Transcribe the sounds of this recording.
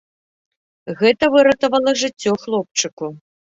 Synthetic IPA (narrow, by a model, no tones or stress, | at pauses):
ɣɛt̪ɐvɨɾɐt̪ɐvɐlˠɐʐɨt͡sʲːɔxlˠɔp̚t͡ʂɨku